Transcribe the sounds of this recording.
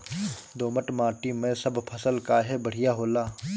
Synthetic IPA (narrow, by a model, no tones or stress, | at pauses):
d̪oːməʈmãːʈimẽsəbpʰəsəlkaɦɛbəɽ̤ɪjaɦoːlaː